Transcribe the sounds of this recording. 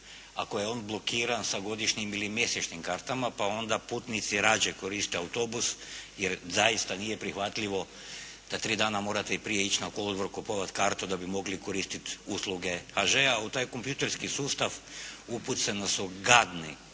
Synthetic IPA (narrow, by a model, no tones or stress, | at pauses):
akoje̞o̞ːnblˠo̞kiːɾansaɡo̞d̪iʃɲimilimje̞set͡ʃnimkaːɾt̪amapao̞nd̪apuːt̪nit̪siɾaːd͡ʒeko̞ɾist̪eawt̪o̞busjeɾzajist̪anije̞pɾixʋat̪ʎiʋo̞ | d̪̥at̪ɾiːd̪aːnamo̞ːɾat̪e̞ipɾije̞it͡ʃnakolod̪ʋɾokopoʋat̪kaɾt̪ud̪abimo̞ɡliko̞ɾist̪it̪uslˠuɡe̞xaʒeaut̪aːjko̞mpjut̪eɾskisuːst̪aʋuput̪senasuɡad̪ni